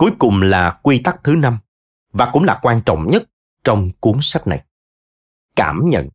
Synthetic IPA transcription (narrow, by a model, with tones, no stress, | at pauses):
ku˨˦jkʊ˨˩ŋ͡mlaː˨˩kwi˧t̪a˦˥k̚t̪ʰɨ˨˦na˧m | vaː˨˩kʊ̰˧˥ŋ͡mlaː˨˩kwaː˧nt͡ɕɔ̰˧˨wŋ͡mɲə˦˥t̚ | t͡ɕɔ˧wŋ͡mku˨˦əŋsa˦˥k̟̚na̰˨˩j | kaː˧˩mɲə̰˧˨n